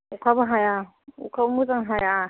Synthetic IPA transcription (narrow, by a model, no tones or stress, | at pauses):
ukʰabaɦaja | ṵkʰabumut͡saŋɦaja